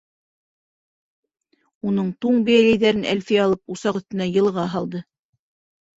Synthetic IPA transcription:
unɤɴt̪uɴbɘjælæjðæɾɘnʔæ̰lfijɑlˠɤp̚usɑqɵ̆θt̪ɘ̆næjɤ̆lˠʁɑɦɑlˠd̪ɤ

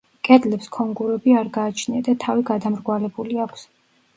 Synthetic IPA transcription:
kʼɛd̪lɛpskʰɔŋɡuɾɛbiaɾɡaːt͡ʃʰniad̪at̪ʰaviɡad̪amɾɡwalɛbuliakʰs

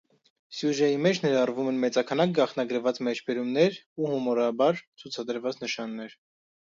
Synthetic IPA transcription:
sjuʒɑjimɛt͡ʃʰnɛɾɑrvumɛnmɛt͡sɑkʰɑnɑk̚ɡɑχnɑɡəɾvɑt͡smɛt͡ʃʰbɛɾumnɛɾuhumɔɾɑbɑɾt͡sʰut͡sʰɑd̪əɾvɑt͡snəʃɑnːɛɾ

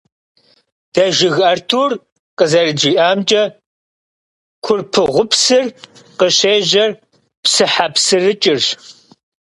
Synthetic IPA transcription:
d̥ɐʒɪɣɐrtʰuːr | qʼəzɐrɨd͡ʒiːʔaːmt͡ʃʼɐ | kʷʰʊrpʰɨʁʷʊpʰsɨr | qəɕeːʑɐr | psɨħapsɨrɨt͡ʃʼɪr

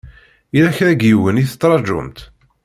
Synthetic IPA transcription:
iɾæçɾæɡjiwəniθə̥t̪ːɾˤɑd͡ʒʊ̰mt̪

